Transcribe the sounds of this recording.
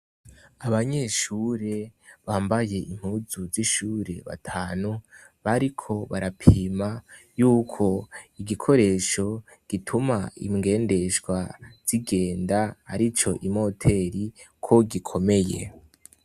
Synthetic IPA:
aβaɲe̞ʃuɾe̞βaːmbaje̞ʔim̥huzuziʃuːɾe̞̰βa̰tʰaːnuβaɾikʰo̞βaɾapʰiiːma | juːkʰo̞iɡikʰo̞ɾe̞ːʃo̞ | ɡ̥itʰumaḭmŋɡe̞ːnde̞ʃɡwaz̥iɡe̞ːndaha̰ɾit͡ʃo̞ʔimo̞tʰe̞ɾikʰoɡikʰo̞me̞je̞̰

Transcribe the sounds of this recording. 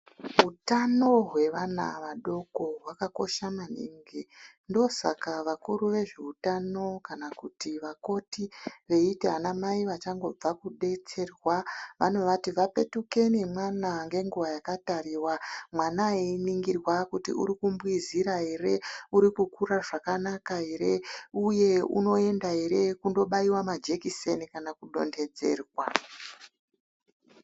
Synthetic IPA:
ɦutano̞ɦwe̞ʋana̰ʋaɗo̞ko̞ɦwakako̞̰ʃamanḭːŋɡi | ndo̞sa̰kaʋakuɾuʋe̞ʐe̞utano̞kanakutiʋako̞tiʋe̞iteɦanamaiʋat͡ʃaŋɡo̞b͡vakuɗe̞t͡se̞rwaʋa̰no̞ʋatiʋape̞tuke̞nemwanaŋɡe̞ŋɡuʋajakatariːwamwanaeiniŋɡirwakutḭṵɾikumbwiziɾaɦe̞re̞uɾikukuraʐakanakaɦe̞ɾe̞uje̞ṵno̞e̞ndaɦe̞ɾe̞kundo̞ɓaiwamad͡ʒe̞kise̞nikanakuɗo̞̰nde̞d͡ze̞̰ːrwa

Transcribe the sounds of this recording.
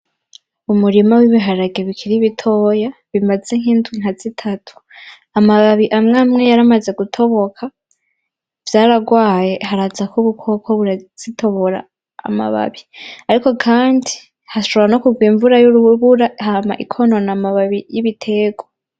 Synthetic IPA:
umuɾimawiβiɦaɾaɡe̞βikʰiɾiβitʰo̞ːjaβimaze̞ŋ̥iːntʰwiŋ̥az̥itʰatʰu̥ | amaβaβiʔamŋamŋe̞jaɾamaze̞ɡutʰo̞βo̞kʰa | v̥jaːɾaɡwaːje̞haɾazakuβukʰo̞kʰoβuɾaz̥itʰo̞βo̞ɾa̰ː | ma̰βa̰βiaɾiko̞kʰaːndi | haʃoβɾano̞kuɡwiːɱvuɾajuβuɾahama̰ʔikʰo̞no̞namaβaβijiβitʰe̞ɡo

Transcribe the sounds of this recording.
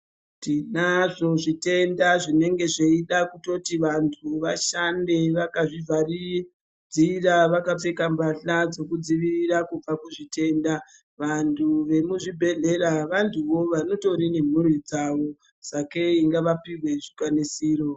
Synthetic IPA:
tinaʐo̞ʐite̞ndaʐine̞ŋɡe̞ʐeiɗakuto̞tiʋantʰuʋaʃande̞ʋakaʐivʱari | d͡ziraʋakap͡fe̞kambaɬad͡zokud͡ziʋiʋiɾakub͡vakuʐite̞ːnda | ʋantʰuʋe̞muʐibʱe̞ɮe̞ɾaʋantʰuʋo̞ʋano̞to̞ɾine̞m̤uɾid͡zaʋo̞ | sake̞iŋɡaʋapiwe̞ʐikwanisiːro̞

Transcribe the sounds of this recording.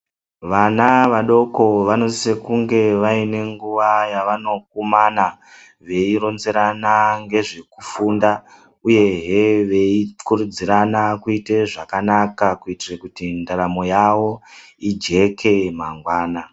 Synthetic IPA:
ʋanaʋaɗo̞ko̞ʋano̞sekuŋɡe̞ʋaine̞ŋɡuʋajaʋano̞k̚umana | ʋe̞iɾo̞nze̞ɾanaŋɡe̞ʐe̞kufunda | uje̞ɦeʋe̞ikuɾud͡ziɾanakuiteʐakanakakuitirekutindaɾamo̞jawo̞ | id͡ʒe̞kʰe̞maŋɡwaːna

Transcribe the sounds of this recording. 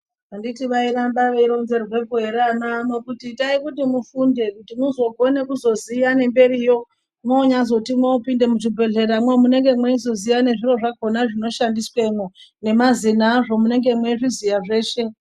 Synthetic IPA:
anditiʋaiɾambaʋeiɾo̞nze̞rwe̞kuɦe̞ɾananokutitaikutimufunde̞kutimuzo̞ɡʱo̞ne̞kuzo̞zijane̞mbe̞rijo̞ | moːɲazo̞timwoːpinde̞muʐibʱe̞ɮe̞ɾamwemune̞ŋɡe̞mweizo̞zijane̞ʐiro̞ʐako̞naʐino̞ʃandiswenone̞mazinaʐo̞mune̞ŋɡe̞mweiʐizijaʐe̞ːʃe̞

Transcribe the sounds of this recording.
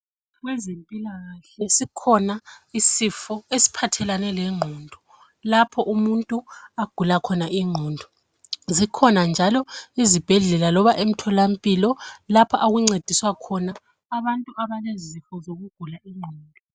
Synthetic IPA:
ɣwɛzempʼilaɣaɬɛsikʰɔnaisifɔesi̥pʰatʰɛlanɛlɛŋ͡ǃʱɔndʱɔ | lapʰɔʔumuntʼuaɡ̥ʱulakʰɔnaʔiŋ͡ǃʱɔndʱɔ | zikʰɔnand͡ʒʱalɔizib̥ʱɛɮɛlalɔβaʔem̩tʰɔlam̩pʼilɔlapʰaʔaɣuŋ͡ǀed̥ʱiswakʰɔnaː | βantʼuaβalezifɔzoɣuɡ̥ʱulaʔiŋ͡ǃʱɔːndʱɔ

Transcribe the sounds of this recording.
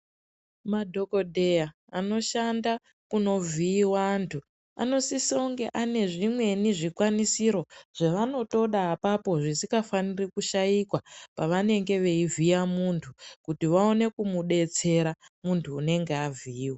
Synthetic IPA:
madʱo̞ko̞dʱe̞ja | ano̞ʃanda | kuno̞viːwantʰu | a̰no̞sisoŋɡe̞ʔane̞ʐimwe̞niʐikwanisiɾo̞ʐ̥eʋano̞to̞ɗaːpapo̞ʐisikafanirikuʃaikwapaʋane̞ŋɡe̞ʋe̞ivijamuntʰukutiʋao̞ne̞kumuɗe̞t͡se̞ɾamuntʰuːne̞ŋɡeavʱiːwa

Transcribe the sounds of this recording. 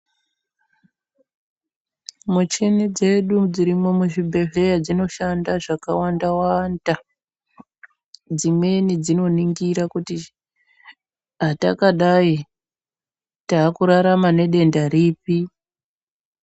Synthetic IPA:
mut͡ʃenid͡ze̞ɗud͡ziɾimo̞muʐibʱe̞ɮe̞jad͡zino̞ʃandaʐakawandawanda | d͡zimwe̞nid͡zino̞niŋɡiɾakuti | ɦatakaɗai | taːkuɾaɾamane̞ɗe̞ndaɾiːpi

